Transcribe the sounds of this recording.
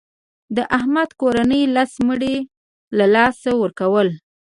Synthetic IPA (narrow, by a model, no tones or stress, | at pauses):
d̪əʔahmad̪koɾanəjlasməɽe | lalɑsawəɾkawəl